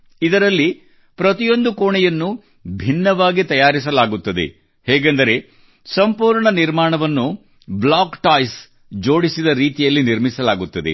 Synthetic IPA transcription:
id̪ɐɾɐlːi | pɾɐt̪ijo̞nd̪ukoːɳɛjɐnːu | bʱinːɐʋaːɡit̪ɐjaːɾis̬ɐlaːɡut̪ːɐd̪e̞̰ | hɛːɡend̪ɐɾe̞ | sɐmpuːɾɳɐniɾmaːɳɐʋɐnːu | blaːkʈaːjs | d͡ʒo̞ːɽisid̪ɐɾiːt̪ijɐlːiniɾmisɐlaːɡut̪ːɐd̪ḛ

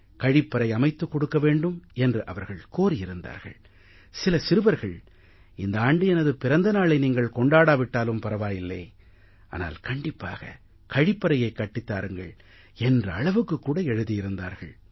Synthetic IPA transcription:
kɐɻɪpːɐɾɐɪɐmɐɪt̪ːɯkːɔɽɯkːɐʋeːɳɖɯmɛndrɯʔɐʋɐɾɣɐɭkoːɾɪjɪɾɯnd̪a̰ːɾɣɐ̰ɭ | sɪlɐsɪɾɯʋɐɾɣɐɭ | ɪnd̪ɐaːɳɖɯɛnɐðɯpɪɾɐnd̪ɐnaːɭɐɪniːŋɡɐɭkɔɳɖaːɽaːʋɪʈːaːlɯmpɐɾɐʋaːjɪlːɐɪ | a̰ːna̰ːlkɐɳɖɪpːa̰ːɣɐ̰ | kɐɻɪpːɐɾɐjɐɪkːɐʈːɪt̪ːa̰ːɾɯŋɡɐ̰ɭ | ɛndrɯɐɭɐʋɯkːɯkːuːɽɐɛɻɯðijɪɾɯnd̪a̰ːɾɣɐ̰ɭ

